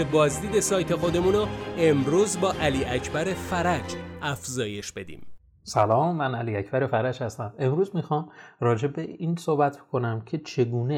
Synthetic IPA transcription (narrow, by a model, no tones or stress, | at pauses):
ebɒːzd̪iːd̪e̞sɒːjt̪ʰexod̪e̞munɔemɾuːzbɒːʔæliːʔæcʰbæɾefæɾæd͡ʒæfzɒːje̞ʃbe̞d̪ḭːm | sælɒːmːænæliːæcʰb̥æɾe̞fæɾæd͡ʒhæst̪æme̞mɾuːzmixɒːmrɒːd͡ʒe̞beiːnsohbæt̪ʰb̥o̥kʰo̞næmcʰe̞t͡ʃʰe̞ɡuːne